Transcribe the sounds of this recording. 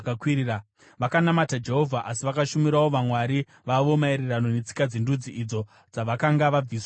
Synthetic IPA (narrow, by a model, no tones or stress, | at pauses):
kakwiɾiːra | ʋakanamatad͡ʒe̞ɦo̞vʱaʔasiʋakaʃumiɾawo̞ʋamwaɾi | ʋaʋo̞maeɾerano̞ne̞t͡si̥kad͡zindud͡ziʔid͡zo̞ | d͡zaʋakaŋɡaʋab͡vis